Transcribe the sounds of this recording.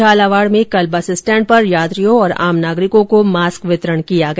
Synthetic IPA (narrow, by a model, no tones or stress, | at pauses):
aːlaʋaːɽmẽkɐlbasɪsʈɛ̃ːɳʈ̚pɐɾjaːt̪ɾijõɔːɾa̰ːmnaːɡɾɪkõkomaːskʋɪt̪ɾəɽ̃kijaɡɐ